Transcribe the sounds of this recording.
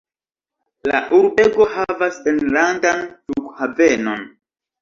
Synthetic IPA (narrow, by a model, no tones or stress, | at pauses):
la̰ʔuɾbeɡo̞havasenlandantukhaveno̞n